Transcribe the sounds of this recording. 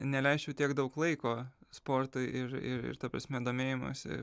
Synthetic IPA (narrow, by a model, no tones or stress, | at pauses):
nʲɛlʲɛɪʃʲt͡ʃʲɛʊt̪ʲiɛkd̪ɐʊklˠɐɪkoːspoːrt̪ʊɪʔɪɾɪ̰ɾɪ̰ɾt̪ɐːpɾɐ̰sʲmʲɛd̪oːmʲeːjɪmo̰ːsʲɪ̰